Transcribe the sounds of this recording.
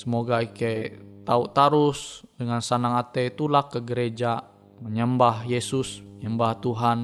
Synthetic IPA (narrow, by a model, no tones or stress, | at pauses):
səmoɡaiket̪aut̪aɾusdəŋansanaŋat̪et̪ulakːəɡəɾed͡ʒa | məɲəmbahjesusɲəmbaht̪uɦan